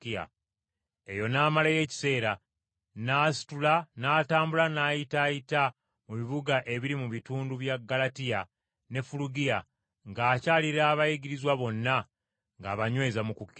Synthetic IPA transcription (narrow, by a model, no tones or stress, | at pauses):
ia̰ | e̞jo̞naːmalaje̞ːci̥se̞ːɾa | naːsi̥tulanaːtaːmbulanaːjitaːjita | muβiβuɡaʔe̞βiɾimuβituːnduβjaɡːalatija | ne̞fuluɡija | ŋɡaːcaːliɾaːβajiɡiɾizwaβo̞nːa | ŋɡaːβaɲwe̞ːzamukukːi